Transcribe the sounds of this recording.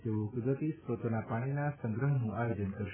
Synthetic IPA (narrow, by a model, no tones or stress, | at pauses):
t̪eʋokd̪ət̪isɾot̪onapaɽ̃inasə̃ŋɡɾəɦnũʔajod͡ʒənkəɾʃ